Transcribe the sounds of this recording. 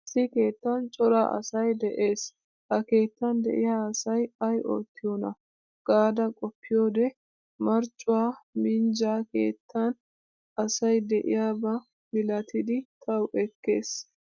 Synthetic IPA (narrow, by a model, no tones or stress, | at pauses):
sɪke̞ːt̪ːɐnt͡ʃʼɔɾa̰ːʔɐ̰sɐjd̪ɛʔe̞ːs | hɐke̞ːt̪ːɐnd̪ɛ̰ʔɪjaːɐsɐjɐjʔo̰ːt̪ːɪjoːnɐ̰ | ɡ̥aːd̪ɐkʼɔpːɪjo̞ːd̪ɛ | mɐɾt͡ʃʼːʊwaːmɪnd͡ʒaːke̞̰ːt̪ʰːɐn | ɐsɐjd̪ɛʔɪ̰jaːbɐ | mɪlɐt̪ɪd̪ɪt̪ʰɐwʔɛkːe̞ːs